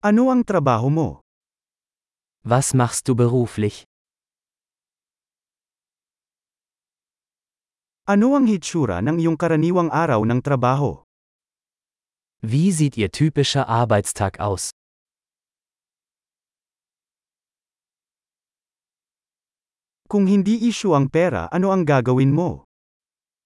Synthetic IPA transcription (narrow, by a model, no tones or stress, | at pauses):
ʔɐno̞ɐŋt̪ɾɐbaːɦomo̞̰ | vasmaχst̚d̥uːbəʁuːflɪç | ʔɐno̞ɐŋhɪt͡ʃuːɾɐ̰nɐŋɪjoŋkɐɾɐniːwɐŋʔaːɾɐwnɐŋt̪ɾɐbaːɦo̰ | viːziːtiːɐtʰyːpɪʃɐʔaɐbaɪtstʰaːkʰa̰ʊs | kʊŋɦɪnd̪iːʔiʃoʔɐŋpɛːɾɐ̰ʔɐno̞ɐŋɡaːɡɐwɪnmo̞